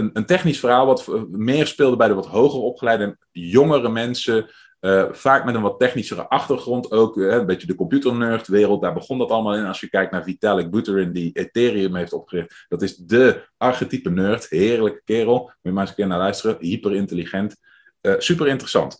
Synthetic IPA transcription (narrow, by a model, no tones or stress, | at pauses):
ənəntɛχnisfərɦaːlˠʋɑtmɪːɹspɪːlˠdəbɛjdəʋɑtɦowχərɔpχəlɛjdəən | joŋərəmɛnsə | əfaːkmɛtənʋɑtɛχnisərə̰ʔɑχtərχrɔntʰowkɦɛəmbejtədəkɔmpjutəɹnøːrtʋɪːrəlˠt̚daːɹbəχɔndɑtɑləmaːlˠɛnɑlˠsjəkɛjk̚naːɹvitalɪk̚butəɹɪndietɪːriəmɦejftɔpχərɪχtd̥ɑtɪzdəʔɑɹχətipənøːɹtɦɪːɹləkə̥kɪːrəlˠməmaːsəkɪːɹnaːlœɥstərəɦipərɪntəliχɛnt | əsypərɪntərəsɑ̰nt